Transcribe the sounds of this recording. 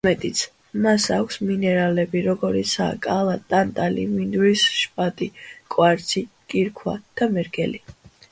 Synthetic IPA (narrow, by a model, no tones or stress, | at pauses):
mɛt̪ʼit̪sʰ | masakʷʰsminɛɾalɛbiɾɔɡɔɾit̪sʰa̰ːkʼalˠat̪ʼant̪ʼalḭmind̪wisʃpʼat̪ʼikʼwaɾt̪sʰi | kʼiɾkʰwa̰d̪̥amɛɾɡʼɛli